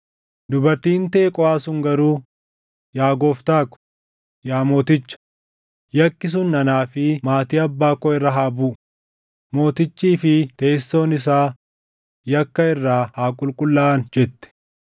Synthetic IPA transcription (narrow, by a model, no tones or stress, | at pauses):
d̪ʊbɐɾt̪iːnt̪ɐːkʼɔaːsʊŋɡɐɾuː | jaːɡoːft̪aːkʊ̥ | jaːmo̞ːt̪ɪt͡ʃːɐ̥ | jɐkːɪs̬ʊnːɐnaːfɪmaːt̪iːɐbːaːkːɔɪrːɐɦaːbuːʔ | mo̞ːt̪ɪt͡ʃːiːfɪt̪eːsːo̞ːnɪs̬aː | jɐkːɐɪrːaːhaːkʼʊlkʼʊlːaːnd͡ʒɛt̪ːɛ̥